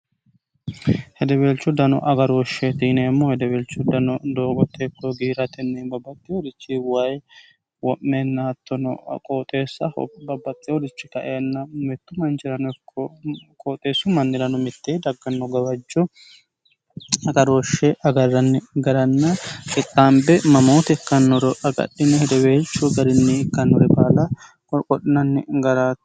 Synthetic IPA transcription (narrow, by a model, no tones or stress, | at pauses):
hɛd̪ɛbelt͡ʃːʊd̪ɐnɔ̰ʔɐɡɐɾoːʃːɛt̪iːnemːohɛd̪ɛbeːlt͡ʃːʊd̪ɐnɔd̪oːɡɔt̪ʰːekːɔɡiːɾɐt̪ɛnːɛbɐbːɐt̪ʼːɪjɔd̪ɪt͡ʃːɪwaj | wɔʔːeːnːɐt̪ːɔnɔ̰kʼoːt̪ʼe̞ːsːɐ̰bɐbːɐt̪ʼːɪjɔd̪ɪt͡ʃːɪkɐ̰ʔeːnːɐmɛt̪ːʊmɐnt͡ʃɪɾɐnɛkʰːɔkʼoːt̪ʼe̞ːsːʊmɐnːɪɾɐnɔmɪt̪ːeːd̪ɐɡːɐnːɔɡɐbɐd͡ʒːɔ | ɐɡɐɾoːʃːɛʔɐɡɐrːɐnːɪɡɐɾɐnːɐkɪt̪ʼːaːmbɛmɐmoːt̪ɛkːɐnːɔɾɔʔɐɡɐ̰ɗːɪnɛhd̪ɛweːt͡ʃːʊɡɐɾɪnːɪɪkːɐnːɔɾɛbaːlɐ | kʼɔɗɪnɐnːɪɡɐɾaːt̪